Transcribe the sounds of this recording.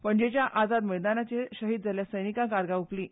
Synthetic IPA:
pəɳd͡ʑet͡ɕjaʔad͡zad̪məjd̪anat͡ɕeɕəɦiːd̪̚d͡zaljasəjnikakaɾɡaupliː

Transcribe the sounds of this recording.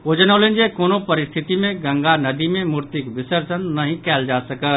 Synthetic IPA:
od͡ʒənəlend͡ʒekoːnopəɾɪst̪ʰit̪imẽɡə̃ŋɡanəd̪imẽmuɾt̪ikʋɪsəɾsənːəɦĩkɛːld͡ʒasəkə

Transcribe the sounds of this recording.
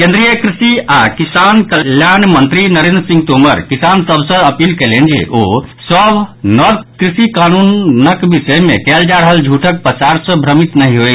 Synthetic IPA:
kẽnd̪ɾijəkɾisiakisankəljanmənt̪ɾinəɾend̪ɾəsĩŋɡt̪oməɾkisansəbʱsə̃əpilkɛlend͡ʒḛʔosəbnɔd̪kɾisikanunnəkbisəjmekɛld͡ʒaɾəɦəld͡ʒʱuʈʰək̚pəsaɾsə̃bʱɾəmit̪nəɦiɦoj

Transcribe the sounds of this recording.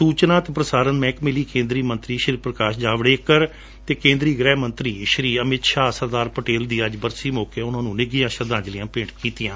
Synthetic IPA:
suːt͡ʃnãːt̪eːpɾəsaːɾənmɛ̃ːkmɪliːkẽːnd̪ɾiːmə̃nt̪ɾiːʃɾiːpɾəkaːʃd͡ʒaːʋɽeːkəɾ | t̪eːkẽːnd̪ɾiːɡɾɛːmənt̪ɾiːʃɾiːəmɪt̪ʃaːsəɾd̪aːɾpəʈeːld̪iːəd͡ʒbəɾsiːmoːkeːʊnãːnũːnɪɡijãːʃəɾd̪ãːɲd͡ʒlɪjãːpẽːʈkiːt̪ɪjãː

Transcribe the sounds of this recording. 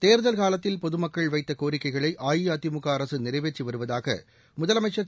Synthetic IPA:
t̪eːɾɯðɐlkaːlɐt̪ːɪlpɔðɯmɐkːɐɭʋɐɪt̪ːɐkoːɾɪkːɐɪɣɐɭɐɪʔaːjiɐt̪ɪmʊɣaːɾɐsɯnɪɾɐʋeːt͡ʃːiʋɐɾɯʋɐðaːɣɐ̰ | mʊðɐlɐmɐɪʈt͡ʃːʂɐ

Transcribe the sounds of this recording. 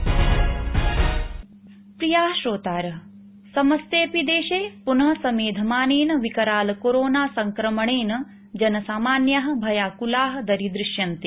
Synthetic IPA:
pɾijaːɦʃɾoːt̪aːɾɐɦ | sɐmɐst̪eːpid̪eːʃeːpunɐɦɐsɐmeːd̪ʱɐmaːneːnɐʋikɐɾaːlɐkoɾoːnaːsɐŋkɾɐmɐɳeːnɐ | d͡ʒɐnɐsaːmaːnjaɦɐ̆bʱɐjaːkulaːɦɐ̆d̪ɐɾid̪ɾɪʃjɐnt̪e

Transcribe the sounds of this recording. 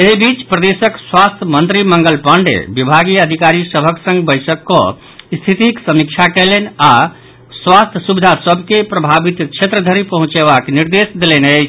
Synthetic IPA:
eɦibit͡ʃpɾəd̪esəkswast̪ʰjəmənt̪ɾiməŋɡəlpəɳɖḛbibʱaɡiəd̪ʱikaɾisəbʱəksə̃ŋɡbəjsəkːɔ̰ | st̪ʰit̪iksəmik̚t͡ʃʰakɛlena | swast̪ʰəsubid̪ʱasəbʱkepɾəbʱabit̪t͡ʃʰet̪ɾəd̪ʱəɾipəɦũt͡ʃeβakniɾd̪esd̪elenəɪt͡ʃʰ

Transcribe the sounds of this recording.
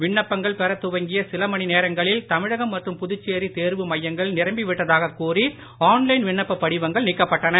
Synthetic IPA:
ʋɪɳːɐpːɐŋɡɐɭpɛɾɐt̪ːʊʋɐŋɡɪjɐsɪlɐmɐɳineːɾɐŋɡɐɭɪlt̪ɐmɪɻɐɣɐmːɐʈrɯmpʊðʊt͡ʃːeːɾit̪eːɾʋɯmɐjːɐŋɡɐɭnɪɾɐmbɪʋɪʈːɐðaːɣɐkːuːri | aːnlɐɪnʋɪɳːɐpːɐpːɐɽɪʋɐŋɡɐɭnɪkːɐpːɐʈːɐnɐ

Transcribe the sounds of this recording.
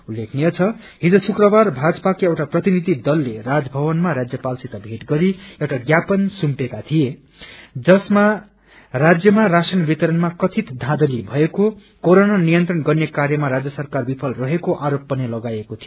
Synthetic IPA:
ulːekʰnijʌt͡sʰʌ | ɦid͡zʌsukrʌbarbʱad͡zʌpakiewʈaprʌt̪inid̪ʱid̪ʌlːerad͡zbʱʌβʌnmaɾad͡zjʌpalsit̪ʌbʱeʈɡʌɾiewʈaɡjapʌnsumpekat̪ʰije | d͡zʌsma | rad͡zjʌmarasʌnbit̪ʌɾʌnmakʌt̪ʰit̪d̪ʱãd̪ʌlibʱʌeko | koɾonʌnijʌnt̪rʌnɡʌrnekaɾjʌmaɾad͡zjʌsʌrkarbipʰʌlrʌɦekoʔaɾopːʌnilʌɡajekot̪ʰio

